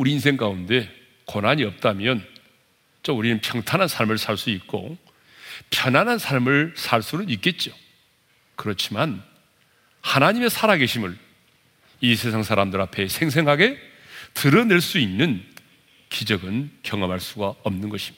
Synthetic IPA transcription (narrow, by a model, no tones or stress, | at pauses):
uɾiːns̬ʰe̞ŋk͈aunde̞ | konaɲiʌp̚t͈amjʌn | t͡ɕʌuɾinɯnpʰjʌŋtʰanɦansʰaɭmɯɭsʰaɭs͈uit̚k͈o̰ | pʰjʌnanɦansʰaɭmɯɭsʰaɭs͈uɾɯnik͈e̞t̚t͡ɕ͈o | kɯɾʌt͡ɕʰiman | hanaɲime̞sʰaɾaɡe̞ɕʰimɯɭ | isʰe̞s̬ʰaŋsʰaɾamdɯɾɦapʰe̞sʰe̞ŋs̬ʰe̞ŋɦaɡe̞ | tɯɾʌne̞ɭs͈uinːɯn | kid͡ʑʌɡɯnkjʌŋʌmɦaɭs͈uɡaʌmnɯnɡʌɕʰimida